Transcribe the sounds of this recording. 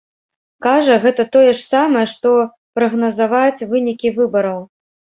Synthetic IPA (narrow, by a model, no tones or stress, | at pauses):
kaʐɐɣɛt̪ɐt̪ɔjɛʂsamɐjɛʂt̪ɔ | pɾɐɣnɐzavat͡sʲvɨnʲikʲivɨbɐɾɐw